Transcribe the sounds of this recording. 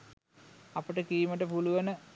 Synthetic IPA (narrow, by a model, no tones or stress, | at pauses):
ɐpəʈəkiːiməʈəpuluʋənə